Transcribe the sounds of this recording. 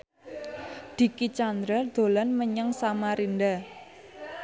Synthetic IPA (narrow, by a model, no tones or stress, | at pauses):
d̪̥i̤kit͡ʃand̪ɾad̪̥o̤lanməɲəŋsamaɾind̪a